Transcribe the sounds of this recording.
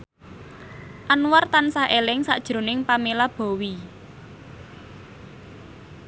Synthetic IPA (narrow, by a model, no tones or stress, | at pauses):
ʔanwart̪ansaʔelɪŋsa̰ʔd̥ʒ̥ɾo̤nɪŋpamelab̥ɔ̤wi